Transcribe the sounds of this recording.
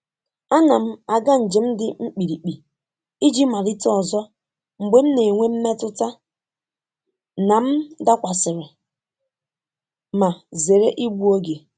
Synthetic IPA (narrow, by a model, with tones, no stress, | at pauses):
a˦na˨m̩˦a˨ɡa˦n̩˨d͡ʒe˨m̩˦dɪ˦ŋ͡m̩˦k͡pi˨ɾi˨k͡pi˨ | i˦d͡ʒi˦ma˨ɾi˦tɔ˨zɔ˦ | ŋ͡m̩˨ɡ͡be˦m̩˦ne˨ŋʷe˦m̩˦me˦tʊ˦ta˦ | na˨m̩˦da˦kʷa˨sɪ˨ɾɪ˨ | ma˨ze˨ɾe˦ʔi˦ɡ͡bu˦o˦ɡe˨